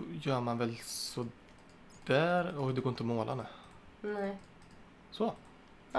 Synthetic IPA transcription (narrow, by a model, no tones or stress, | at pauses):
jœːmanvɛlsɔ | d̪̥æːɾɔd̪ɛɡoːɾɪnt̪ɔmoːlʔa̰nɛ | nɛ | sɔ